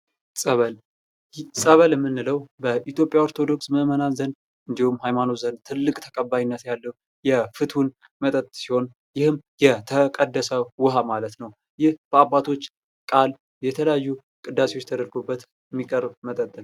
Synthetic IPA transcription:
sʼəβəl | sʼəβəljɛmːɨnːɨləwbəʔit̪jo̞pʼːjaoɾt̪ʰo̞d̪o̞ksməmənazən | ɨnd̪ihumhajmano̞zənt̪ʰɨlːɨkʼt̪ʰə̥kʼəbːajinːət̪jalːəu | jɛfɨt̪hun | mət̪ʼət̪ʼsiho̞n | jɪhɨmjɛt̪ʰəkʼəd̪ːəsəwʊɦamalət̪nəw | jɪhb̥əabːat̪ʰo̞t͡ʃː | kʼal | jɛt̪ʰələjajːu | kʼɨd̪ːaseot͡ʃːt̪ʰəd̪əɾɡobːət̪ | ɛmːikʼəɾbmət̪ʼət̪ʼːɨn

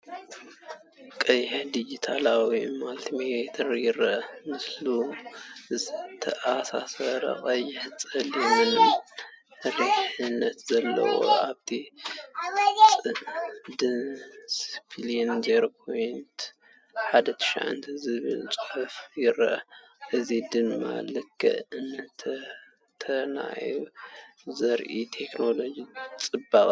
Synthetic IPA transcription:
kʼɐjːħed̪id͡ʒit̪ʰalawimalt̪ʰimeet̪ʰɐɾjɪɾɐʔmɨslu | zɨt̪ʰɐʔasasɐɾɐ̰qʼɐjːɪħt͡sʼɐljmɨnom | ɾɨħɨnːɐt̪zɐlːɐ̰wo̰ʔaβt̪ʰi | t͡sʼɨd̪ɨnsfʰiliɛnzeɾokʰojnt̪ | ħad̪ɐt̪ʰɨ̥ʃa̰ʕa̰nt̪ʰizɨβɨ̰lt͡sʼɨħafjɪɾɐʔ | ʔɨzid̪ɨnma̰lɨkʰːɨ̰ʔɨnt̪ʰ | t̪ʰɐna̰ju | zɐɾʔit̪ʰe̞kno̞lo̞d͡ʒit͡sʼɨbakʼ

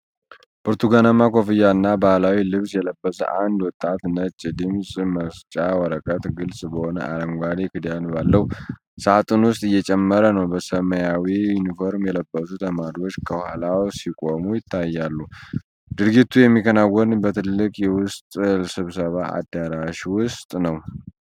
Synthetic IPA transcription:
bʰoɾt̪ʰuɡanamakʰo̞fijaɨnːabahlawilɨβsjɛləbːəsə̰ʔand̪wɔt̪ʼːat̪nət͡ʃʼd̪ɨmsʼməst͡ʃʼawɔɾəkʼət̪ɡɨlsʼbəho̞nə̰aləŋɡʷad̪ekɨd̪janbalːəhu | sat̪ʼɨnwʊst̪ʼɨjːɛt͡ʃʼɛmːəɾənəwbəsəməjawijunifo̞ɾmjɛləbːəzut̪ʰəmaɾio̞t͡ʃːkʰəwhalawsikʼo̞mujɪt̪ʰːajːalːu | d̪̥ɨɾɡit̪ʰːujɛmːikʰənawːɔnbət̪ʰɨlːɨkʼjɛwʊst̪ʼsɨβsəβaʔa̰d̪ːaɾaʃwʊst̪ʼnəw

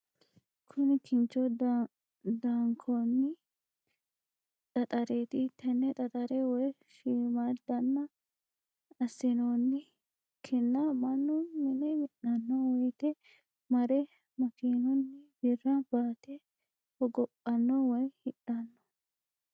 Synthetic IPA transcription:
kʰʊnɪkʰɪnt͡ʃɔ | d̪aːŋkʰoːnːɪ | t̪ʼɐt̪ʼɐɾeːt̪ɪt̪ʰːɐnːɛt̪ʼɐt̪ʼɐɾɛwɔj | ʃiːmad̪ɐnːɐ | ɐsːɪnoːnːɪ | kʰɪnːɐmɐnːʊnɪnɛmɪɗɐnːɔwɔjt̪ɛ | mɐɾɛ | mɐkiːnɔnːɪbɪrɐbaːt̪ɛ | hɔɡɔpʼːɐnːɔwɔjhɪᶑɐnːɔ̥

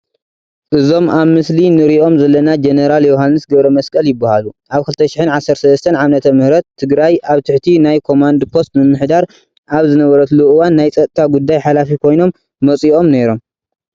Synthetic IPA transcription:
ʔɨzo̞mʔaβmɨslinɨɾiʔo̞mzɐlːɐnad͡ʒeneɾaljoɦanːɨsɡɐβɾɐmɐskʼɐljɪbːahaluʔaβkʰɨlt̪ʰɐʃɪħɨnʕasːɐɾsɐlɐst̪ʰɐnʕamnɐt̪ʰɐmɨhɾɐt̪ʰːɨɡɾajʔaβt̪ʰɨħt̪ʰinajkʰo̞mand̪pʰo̞st̪mɨmːɨħd̪aɾ | ʔaβzɨnɐβɐɾɐt̪luʔwanːajt͡sʼɐt̪ʼt̪ʰaɡud̪ːajħalafikʰo̞jno̞mː | ɐt͡sʼiʔo̞mne̞ɾo̞m

